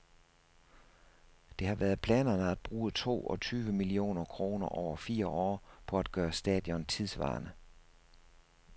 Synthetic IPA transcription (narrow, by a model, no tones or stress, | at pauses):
d̥e̝hɑ̈ʋæɐð̩ˠpʰlɛ̰ːnɐnəæd̥̚b̥ʁuːət͡sʰo̝̰ːɒt͡sʰyːʋəmilio̝̰ːnɐkʰʁo̝ːnɐʔɒʊ̰ɐfiːɐʔɒ̰ːpʰɒ̽æd̥̚ɡ̥ɶːɐsd̥ɛ̰ːð̥ˠjɒ̽nt͡sʰiðˠsʋɑ̰̈ːnə